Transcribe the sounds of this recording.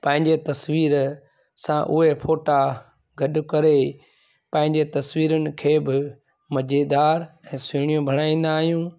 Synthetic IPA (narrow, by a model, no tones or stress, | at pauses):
pɐ̃ɦɪ̃ɲd͡ʑet̪ɐsʋiːɾ | sãʔʊ̰ɦepʰoːʈa | ɡɐɗʊ̆kɐɾe | pɐ̃ɦɪ̃ɲd͡ʑet̪ɐswiːɾənɪ̆kʰeːbɪ | mɐd͡ʑeːd̪aːɾɛ̃ːsʊɽ̃ijõbʱɐɽ̃aːĩːn̆d̪aːɦijũː